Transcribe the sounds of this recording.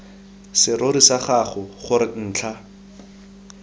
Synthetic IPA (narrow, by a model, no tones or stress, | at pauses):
sɪɾoɾisaχaχʊχʊɾɪn̩ːt͡ɬʰa